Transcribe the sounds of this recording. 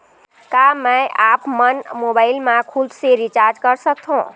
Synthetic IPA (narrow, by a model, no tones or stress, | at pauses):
kamə̃jʔapmənmobaɪlmãkʰud̪seɾit͡ʃaɾd͡ʒkəɾsək̚t̪ʰũ